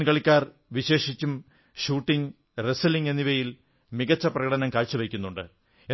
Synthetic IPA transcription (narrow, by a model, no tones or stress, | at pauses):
nkɐɭikʲːaːr | ʋiɕe̞ːʂit͡ɕːum | ɕuːʈːiŋ | resɐliŋenːiʋɐjil | miɣɐt͡ɕːɐprɐɣɐɽɐnɐmkaːɻt͡ɕːuʋɐkʲːunːuɳɖɨ | e